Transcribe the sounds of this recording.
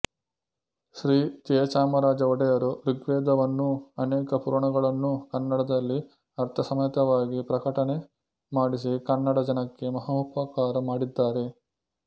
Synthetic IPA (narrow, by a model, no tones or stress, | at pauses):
ʃɾiːd͡ʒɛːt͡ʃaːmɐɾaːd͡ʒɐʋɔɽɐjɐɾuɾiɡʋɛːd̪ɐʋɐnːuɐnɛːkɐpuːɾɐɳɐɡɐɭɐnːukɐnːɐɽɐd̪ɐlːi | ɐɾt̪ʰɐsɐmɐjɐt̪ɐʋaːɡipɾɐkɐʈɐne̞ | maːɽis̬ikɐnːɐɽɐd͡ʒɐnɐkːe̞mɐɦaupɐkaːɾɐmaːɽid̪ːaːɾe̞